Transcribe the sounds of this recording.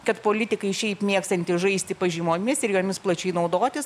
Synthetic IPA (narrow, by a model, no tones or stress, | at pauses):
kɐt̪poːlʲɪt̪ʲɪkɐɪʃʲɛɪpmʲiɛkst̪ɐnʲt̪ʲɪʒɐɪsʲt̪ʲɪpɐʒʲɪmoːmʲɪsɪɾjoːmʲɪsplˠɐt͡ʃʲɛɪnɐʊd̪oːt̪ʲɪs